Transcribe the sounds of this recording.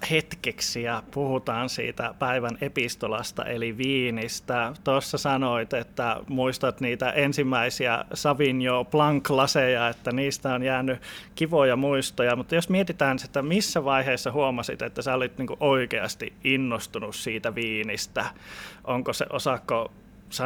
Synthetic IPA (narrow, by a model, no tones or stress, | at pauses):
het̪keksiɑpuhut̪ɑːnsḭːt̪æ̰pæiʋænepist̪olɑ̰st̪ɑ̰ʔeliʋiːnist̪æt̪osːɑsɑnoit̪et̪ːæmuist̪ɑt̪niːt̪æʔensimːæisiæ̰sɑʋinjoplɑŋklɑsejɑet̪ːæniːst̪æonjæːnːˑykiʋojɑmuist̪ojɑmut̪ːɑjosmiet̪it̪æːnset̪ːæmisːæʋɑiheːsːɑhuomɑsḭt̪et̪ːæsæolit̪niːŋkuʔoikeɑst̪iinːost̪unussiːt̪æʋiːnist̪æʔoŋkosḛʔosɑkːo | sɑ